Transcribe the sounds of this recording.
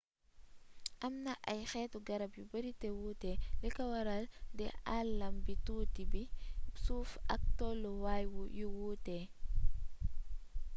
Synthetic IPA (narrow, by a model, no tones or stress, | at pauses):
ʔamnaʔajxɛːtuɡaɾabjubaɾitɛwutɛlɛkawaɾaldɛʔalːambituːtibisuːfak̚tɔlɔwajwujuwutɛ